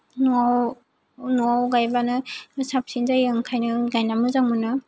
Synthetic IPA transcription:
nuaw | nuawɡajbanɯsap̚sinzajɯŋkʰajnɯɡajnamɯzaŋmɯnɯ

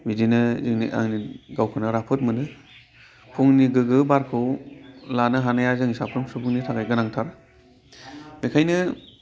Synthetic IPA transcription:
bidinɯzɯŋnḭʔa̰ŋniɡawkʰɯnɯɾapʰɯt̚mɯnɯ | pʰuŋniɡɯɡɯbaɾkʰɯwlanɯɦanajazɯŋsapʰɾɯmsubʰuŋnitʰaɡajɡɯnaŋtʰaɾ | mekʰajnɯ

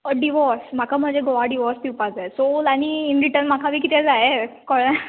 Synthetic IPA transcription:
əɖiʋɔɾsm̤akʰam̤əd͡zeɡoʋaɖiʋɔɾst̪ipad͡zaesolañiːnɾiʈəɾnmakʰaʋiːkit̪ʰɛd͡zaekɔɽna

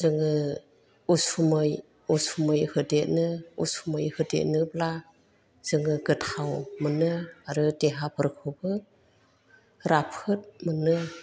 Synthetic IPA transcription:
zɯŋɯ | usumɯj | usumɯjhɯdet̚nɯṵsumɯjhɯdḛʔ̚nɯbla | z̥ɯŋɯɡɯtʰawmɯnɯaɾɯteɦapɯɾkʰɯbɯ | ɾapʰɯt̚mɯnɯ

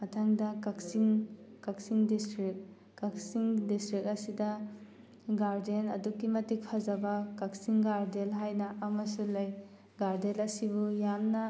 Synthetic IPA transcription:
matʰaŋdɐkaksiŋkak̚siŋdistɾik̚ | kak̚siŋdistɾik̚ɐsidɐ | ɡaɾdenɐ̰dukːimɐtik̚pʰazabakaksiŋɡaɾdelɦajnɐʔamɐsulɐj | ɡaɾdelɐsibujamnɐ

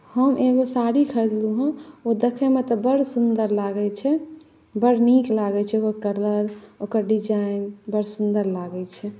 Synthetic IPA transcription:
həmʔeɡosaɾikʰəd̪luɦə̃od̪ekʰɛmet̪ɔbəɽsund̪əɾlaɡɛt͡ʃʰɛ | bəɽ̤niklaɡɛt͡ʃʰɛokəɾkəɾləɾokəɾɖid͡ʒaɪinbəɽsund̪əɾlaɡɛt͡ʃʰɛ

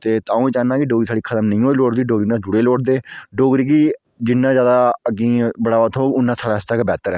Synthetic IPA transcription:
t̪eːt̪ãːũːẽːt͡ʃaːnaːkɪɖoːɡɾiːsʰaːɽiːkʰət̪əmnəĩːɦoːiːloːʈd̪iːɖoːɡɾiːnãːd͡ʒʊɽeːloːʈd̪eːɖoːɡɾiːkiː | d͡ʒɪnːãːzjaːd̪aːəɡĩːbəɽaːʋat̪ʰɦoːkʊnːãːsʰaːɽaːɪst̪aːkːbɛːt̪əɾɛː

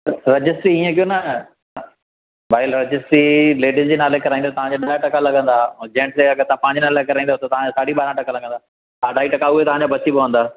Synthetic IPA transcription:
ɾɐd͡ʑɪsʈɾiiːə̃kijonɐ | baːɪlɾɐd͡ʑɪsʈɾileːɖizd͡ʑeːnaːlekɐɾaːĩnd̪at̪ɐʋ̤ãɲd͡ʑaɗaːjaʈɐkalɐɡə̃nd̪ad͡ʑẽːɳʈd͡ʑeɐɡət̪ãpɐ̃ːɲd͡ʑɪnaːlekɐɾaːĩnd̪at̪ot̪ɐʋãd͡ʑasaːɽiɓaːɾãʈɐkãlɐɡə̃nd̪a | aːɖʱaːiʈɐkaʊɦet̪ɐʋ̤ãɲd͡ʑaːbɐsibɐʋə̃nd̪aː

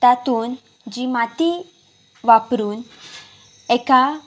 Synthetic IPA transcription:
t̪at̪uːn | d͡ʑimat̪i | ʋapɾuːn | ɛka

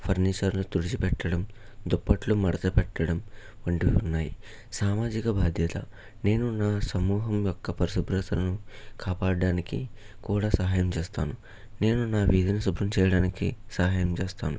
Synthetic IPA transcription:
pʰɐɾniːt͡ʃɐɾluːt̪uɽit͡ʃipɛʈːɐɽɐmd̪ɔpːɐʈlumɐɽɐt̪ɐpɛʈːɐɽɐm | ʋɐɳʈiunːaːji | saːmaːd͡ʒikɐbʱaːd̪ʱjɐt̪ɐ̰ | ne̞ːnunaːsɐmuːɦɐmjɔkːɐpɐɾisubɾɐt̪ɐlɐnukaːpaːɽaːniki | kuːɽaːsɐɦaːjɐmt͡ʃeːst̪a̰ːnu | ne̞ːnunaːʋiːd̪ɐnɐsubɾɐmt͡ʃɛːjɐɽaːnikḭsɐɦaːjɐmt͡ʃeːst̪aːnu

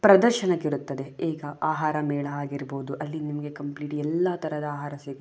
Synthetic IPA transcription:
pɾɐd̪ɐɾʃɐnɐkːiɾut̪ːɐd̪e̞ɛːɡɐaːɦaːɾɐmeːɭɐaːɡiɾboːd̪uʔɐlːinimɐɡe̞kɐmpliːʈiɛlːɐt̪ʰɐɾɐd̪ɐaːɦaːɾɐseːɡi

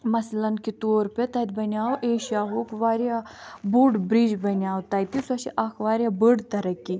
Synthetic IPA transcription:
mɐslɐnkit̪oːɾpʲet̪ɐt̪̚bɐnʲaːwʔeːʃjaːɦoːkʋaːɾjabuɖbɾiːd͡ʒbɐnjaːwt̪ɐːjt̪isɐʃiʔɐkʰʋaːɾʲjabɨɽt̪ɐɾɐkːi

